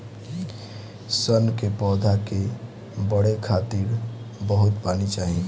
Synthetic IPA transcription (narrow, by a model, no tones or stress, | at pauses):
sənkepɔːd̪ʱake | bəɽekʰaːt̪iɾbəɦʊt̪paːnit͡ʃaːɦi